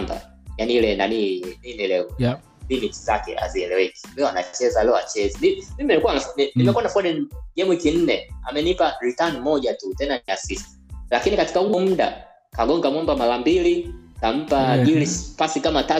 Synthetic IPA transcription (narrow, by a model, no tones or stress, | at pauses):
mba̰ | janilɛna̰nininilɛ | limiti̥za̰kɛ̰a̰ziɛlɛwɛki̥lɛɔana̰t͡ʃɛzalɛɔa̰t͡ʃɛzɛnimimbiiikuwananinimɛkuanafaɗɛnɡɛmwikin̩nɛa̰mɛnipaɾitanmɔʄatutɛnaniasisti̥lakinikati̥kauɔm̩ɗa̰ | kaɠɔŋɡamwɔmbamalambilikam̩paɡilispasikamata